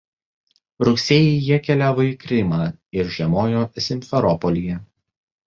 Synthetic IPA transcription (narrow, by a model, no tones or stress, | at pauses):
ɾʊksʲeːjɛɪjiɛkʲɛlʲæːʋoikɾʲɪmɑːɪɾʒʲiɛmoːjoːsʲɪmʲfʲɛɾɔpɔlʲijɛ